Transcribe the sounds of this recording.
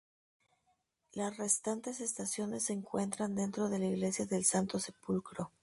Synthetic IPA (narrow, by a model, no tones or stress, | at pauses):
lasre̞st̪ant̪e̞se̞st̪asjo̞ne̞sːe̞ːŋkwe̞nt̪ɾand̪e̞nt̪ɾo̞ð̞e̞laiɣle̞sjaðe̞lsant̪ose̞pulkɾo̞